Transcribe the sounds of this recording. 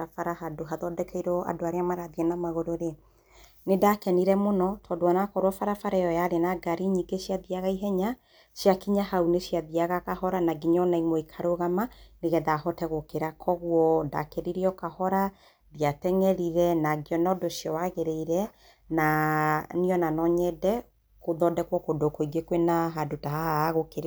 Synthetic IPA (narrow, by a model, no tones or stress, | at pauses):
afaɾahadoɦaðɔdɛkʰɛiɾɔa̰doaɾeamaɾaðiɛnamaɣoɾoɾe | nedakɛniɾɛmonɔtʰɔːdowanakɔɾwɔfaɾafaɾajɔjaɾenaɡaɾiɲiɡeɕijaðiaɣaiɦɛɲa | ʃjakiɲahauneʃiaðiaɣakahɔɾanaɡiɲɔnaimoikʰaɾoɣamaneɣɛðahɔtɛɣokeɾakʰɔɣwɔda̰keɾiɾiɔkahɔɾa | ðiatɛŋɛɾiɾɛnaɡiɔnɔdoʃjɔwaɣeɾeiɾɛ | naniɔnanɔɲɛdɛ | koðɔdɛkwɔkodokoiɡekwenaɦadotaɦaaaɣokeɾ